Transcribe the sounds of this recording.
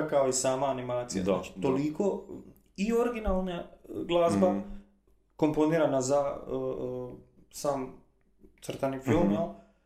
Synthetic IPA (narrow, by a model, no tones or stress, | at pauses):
akaoisaːmaːnimaːt̪sḭja̰zat͡ʃt̪oliko | io̞ɾɡinalˠnaɡlˠaːzba | ko̞mpo̞niːɾanazaə | saːm | t̪sr̩t̪anifilˠmjelˠ